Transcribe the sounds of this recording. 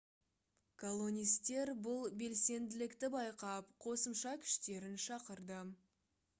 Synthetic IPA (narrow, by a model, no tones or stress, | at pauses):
kʰo̞lˠo̞nʲijst̪e̞ɾbʊlˠbe̞lse̞nd̪ɪlɪkt̪ɪbɑjqɑp̚qʰo̞səmʃɑkʲʰʏ̥ʃt̪e̞ɾɪnʃɑqəɾd̪ə